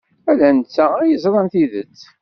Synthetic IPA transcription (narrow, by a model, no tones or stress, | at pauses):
ælænt͡sːæɾjəzɾˤɑnθiðə̰t͡sː